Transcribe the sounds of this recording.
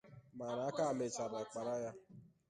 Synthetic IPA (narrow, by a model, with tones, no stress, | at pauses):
ma˨na˨˦a˦ka˦a˦˨me˨t͡ʃa˨ba˨k͡pa˨ɾa˦ja˦